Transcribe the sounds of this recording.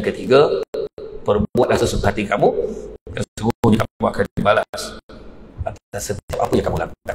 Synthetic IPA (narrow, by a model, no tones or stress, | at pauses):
kət̪iɡa | pərbuat̪̚lasusut̪uhat̪ikamukasəɡuɲakamuakanbalas | at̪t̪asət̪iap̚apəjaŋkamulamda